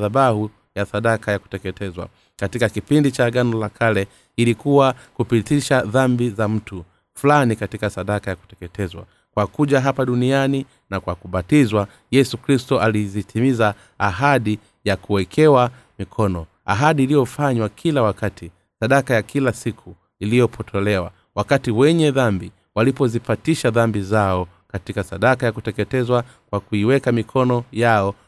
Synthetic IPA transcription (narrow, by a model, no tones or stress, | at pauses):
ðaɓahu | jasaɗakʰajaku̥tɛkɛtʰɛzwa̰ | katikakipindit͡ʃaɡanɔlakʰalɛ | ilikuwakupitiʃaðambizam̩tu | fulanikatikasaɗakajaku̥tɛkɛtɛzwa̰ | kwakuʄaɦapaɗuniani | nakwakuɓatizwa | jɛsukɾistɔʔalizitʰimizaː | ɦaɗi | jakuwɛkʰɛwa | mikʰɔnɔ | a̰ɦaɗiːlijɔfaɲwakʰilawakatʰi | saɗakajakʰilasikʰu | ilijɔpʰɔtʰɔlɛwa̰ | wakatiwɛɲɛðambi | walipɔzipatiʃaðambizaɔ | katikasaɗakajakutɛkɛtɛzwa | kwakuiwɛkamikʰɔnɔjaɔ